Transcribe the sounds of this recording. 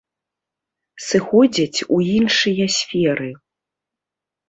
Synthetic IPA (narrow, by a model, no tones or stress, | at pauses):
sɨxɔd͡zʲɐt͡sʲuinʂɨjɐsʲfʲɛɾɨ